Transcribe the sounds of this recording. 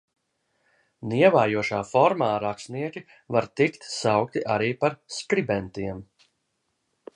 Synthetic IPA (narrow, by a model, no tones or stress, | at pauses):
niɛvaːjuɔʃaːfɔɾmaːɾaksniɛkʲi | vaɾt̪ikt̪sawk̚t̪iʔaɾiːpaɾskɾibɛnt̪iɛm